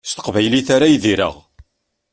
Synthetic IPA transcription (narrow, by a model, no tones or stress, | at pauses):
st̪ə̥qvæjliθaɾajðiɾə̰ʁ